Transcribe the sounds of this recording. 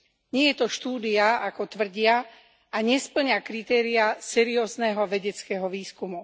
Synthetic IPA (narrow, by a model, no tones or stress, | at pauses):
ɲɪɛjɛt̪ɔʃt̪uːd̪iaakɔt̪ʋr̩ɟɪa | aɲɛspl̩ɲakɾit̪ɛːɾiasɛɾiɔːznɛɦɔʋɛɟɛt͡skɛɦɔʋiːskumu